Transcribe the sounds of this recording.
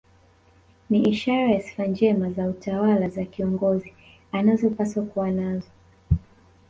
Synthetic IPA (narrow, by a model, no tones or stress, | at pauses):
niʔiʃaɾajasi̥fand͡ʒɛmazautawalazakiɔŋɡɔzi | anazɔpaswakuwanazɔ